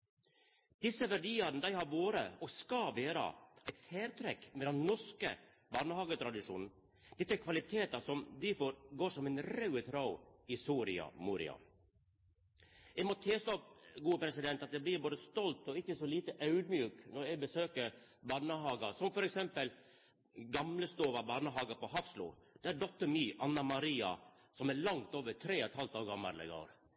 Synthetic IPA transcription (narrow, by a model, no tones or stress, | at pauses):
d̪̥ɪsːəʋæɖiːɑɾnəd̪æɪhɑɾʋoːɾə̰ɔɡskɑʋeːɾɑ̰æɪt̪seːɾt̪ʰɾɛkmɛd̪ɛnnɔʂkə̰ | bɑnəhɑːɡət̪ʰɾɑd̪ɪʂṵːnn̩ | d̪̥ɛt̪ːəæɾkʰʋɑlɪt̪ʰeːt̪ɑsɔmd̪ɪfoːɾɡoːʂɔmɛnɾɑʉət̪ʰɾɑʊɪsuːɾɪɑ̰muːɾɪ̰ɑ̰ | ɛmɔt̪ʰeːst̪opɡuːəpʰɾɛsɪd̪ɛnt̪ɑt̪̚d̪ɛbliːɾboːd̪əst̪ɔlt̪ɔɪçːəsɔliːt̪əʔɑʉd̪mjʉːknɔɾɛɡbəsøːkəɾbɑːnəhɑːɡɑsɔmfɔɾɛksɛmpəl | ɡɑmləst̪oːʋɑbɑːɾnəɦɑːɡɑpɔhɑfslṵd̪̥ɛæɾɖɔt̪ːəɾmyːʔɑnːɑmɑɾiːɑ̰ | sɔmæɾɭɑŋt̪oːʋət̪ʰɾeːɔt̪hɑlt̪ɑːʋɡɑmːɑ̰ɾlɛ̰ɡo̰ːɾ